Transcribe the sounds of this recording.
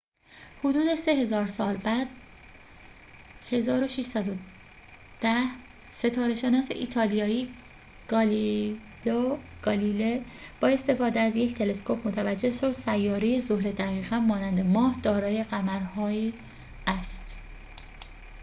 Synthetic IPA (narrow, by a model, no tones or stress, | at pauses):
hod̪uːd̪e̞se̞ɦe̞zɒːɾsɒːlbæd̪̥ | he̞zɒːɾo̞ʃiʃsæd̪o | d̪̥æh | se̞t̪ʰɒːɾe̞ʃe̞nɒːse̞̰ʔḭːt̪ʰɒːlijɒːiː | ɡ | loɡ̥ɒːlileb̥ɒːe̞st̪e̞fɒːd̪eæzje̞cʰt̪ʰe̞le̞skʰo̞pʰmot̪ʰævæd͡ʒːeʃosæjːɒːɾejezohɾe̞d̪æɣiːɣæmmɒːnænd̪e̞mɒːhd̪̥ɒːɾɒːje̞ɢæmæɾhɒːiː | æst̪